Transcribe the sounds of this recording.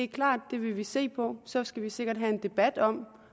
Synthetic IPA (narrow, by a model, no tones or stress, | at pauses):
ekʰlɑ̰̈ːd̥ːe̝ʋe̝ʋise̝̰ːpʰɒ̽sɒ̽sɡ̥æʋise̝ɡ̥ɐd̥ɦæe̝nd̥e̝b̥æd̥ɒ̽m̰